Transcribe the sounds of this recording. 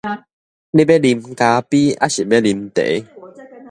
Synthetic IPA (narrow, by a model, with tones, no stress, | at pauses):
li˦be˦li˧mka˧pi˦a̰˦ɕi˨be˦li˧mt̪ḛ˨˦